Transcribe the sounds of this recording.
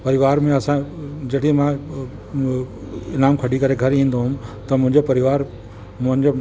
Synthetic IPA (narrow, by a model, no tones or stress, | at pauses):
pɐɾɪʋaːɾmẽɐsãd͡ʑɐʈimã | ɪnaːmkʰɐɽikɐɾeɡʱɐɾĩːnd̪oɦʊmt̪ɐmʊ̃ɦɪ̃ɲd͡ʑopɐɾɪʋaːɾ | mʊ̃ɦɪ̃ɲd͡ʑe